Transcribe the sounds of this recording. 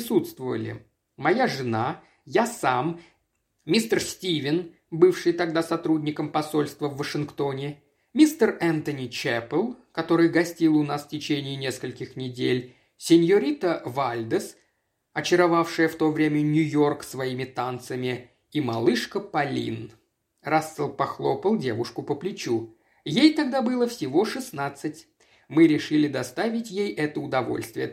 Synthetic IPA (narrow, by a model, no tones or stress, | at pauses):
pɪsut̪st̪vəvə̰lʲɪ̰ | mɐjaʐɨna | jasam | mʲist̪ərsʲtʲivʲɪn | bɨfʂɨjt̪ɐɡ̚d̪asɐt̪ɾudʲnʲɪkəmpɐso̞lʲst̪vəvːəʂɨnkt̪o̞nʲɪ | mʲist̪ərɛnt̪ənʲit͡ɕɛpəlˠkɐt̪o̞ɾɨjɡɐsʲtʲilˠʊnasfʲtʲɪt͡ɕenʲɪːnʲe̞skəlʲkʲɪxnʲɪdʲelʲ | sʲɪnʲjəɾʲit̪əvalʲd̪əs | ɐt͡ɕɪɾɐvafʂɨjəft̪o̞vɾʲemʲənʲʊjo̞rksvɐimʲɪt̪ant̪səmʲɪ | imɐlˠɨʂkəpɐlʲḭn | rasːəlˠpɐxlˠo̞pəlˠdʲe̞vʊʂkʊpəplʲɪt͡ɕu | jejt̪ɐɡ̚d̪abɨlˠəfsʲɪvo̞ʂɨsnat̪sɨtʲ | mɨɾʲɪʂɨlʲɪd̪ɐst̪avʲɪtʲjejʔɛt̪əʊd̪ɐvo̞̰lʲst̪vʲɪjə